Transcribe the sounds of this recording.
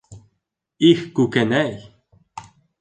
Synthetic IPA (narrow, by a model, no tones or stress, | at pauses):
ixkukenɛj